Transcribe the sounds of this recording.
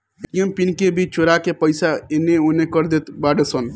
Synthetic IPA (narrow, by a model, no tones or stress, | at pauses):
ʈijəmpinkebʱit͡ʃt͡ʃoɾakepəjsaenːeonekəɾd̪et̪baɖesən